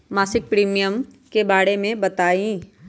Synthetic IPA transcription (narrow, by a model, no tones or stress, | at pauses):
maːsɪk̚pɾiːmijəm | kebaːɽemẽbɐt̪aːĩː